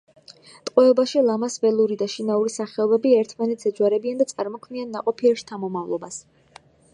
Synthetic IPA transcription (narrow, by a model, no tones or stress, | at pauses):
t̪ʼqʼwɛɔbaʃilˠamasvɛlˠuɾid̪aʃinauɾisaχɛɔbɛbiɛɾt̪ʰmanɛt̪ʰsɛzwaɾɛbiand̪at̪sʼaɾmɔkʰmianːaqʼɔpʰiɛpʃi̥t̪ʰamɔmavlˠɔbas